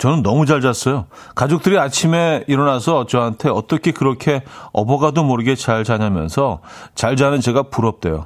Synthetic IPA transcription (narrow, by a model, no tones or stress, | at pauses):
t͡ɕʌnɯnːʌmud͡ʑaɭd͡ʑas͈ʌjo | kad͡ʑok̚t͈ɯɾiat͡ɕʰime̞iɾʌnasʰʌːt͡ɕ͈ʌɦantʰe̞ʌt͈ʌkʰe̞kɯɾʌkʰe̞ʌ̰bʌɡadomʌɾɯɡe̞t͡ɕaɭd͡ʑaɲamjʌ̰nsʰʌt͡ɕaɭd͡ʑanɯnt͡ɕe̞ɡapuɾʌp̚t͈e̞̰jo̰